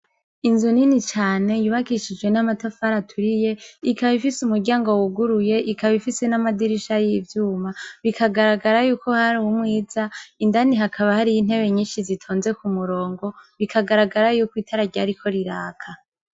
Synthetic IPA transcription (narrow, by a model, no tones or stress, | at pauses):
inzuninit͡ʃaːne̞juβakiʃid͡ʒɡwe̞namatafaɾatʰuɾije̞ikaβifisumuɾɟaːŋɡo̞wuɡuɾuje̞ʔikaβifise̞namadiɾiʃajiivjuːmaβikʰaɡaɾaɡaɾajuːko̞haɾuwumŋiːzaindaniɦakʰaβahaɾijin̥he̞βe̞ɲiːnʃizitʰoːnze̞kumuɾo̞ːŋɡo̞βikʰaɡaɾaɡaɾajuːkwiːtʰaɾaɟaɾikʰo̞ɾiɾaːkʰa